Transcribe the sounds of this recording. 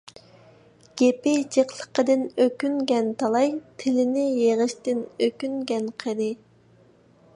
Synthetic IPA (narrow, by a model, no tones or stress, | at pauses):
ɡ̥ʲepɪd͡ʒeqlˠə̥qəd̪ɪnøkʲynɡʲɛnt̪ʰɑlˠɑjt̪ʰɪlɪnɪjeʁəʃt̪ɪnøkʲyŋɡʲɛnqʰəd̪ɪ